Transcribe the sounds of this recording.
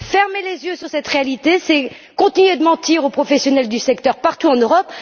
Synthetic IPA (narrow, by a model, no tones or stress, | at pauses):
fɛʁmelezjøsyʁsɛt̪ʁealit̪esɛ | kɔ̃t̪inɥed̪əmɑ̃t̪iʁopχɔfɛsjɔnɛld̪ysɛkt̪œʁpaʁt̪uɑ̃nøʁɔp